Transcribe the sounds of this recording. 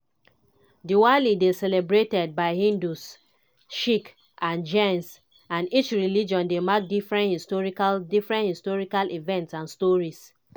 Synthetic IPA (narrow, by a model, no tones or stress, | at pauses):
diwalidesɛlɛbɹetɛd̚baɪhĩndus | ʃik | ʔãnd͡ʒẽns | ãnit͡ʃɹilid͡ʒɔ̃ndemak̚difɹɛ̃nhistɔɹikadifɹɛ̃nthistɔɹikalʔivɛ̃ntsãnstɔɹis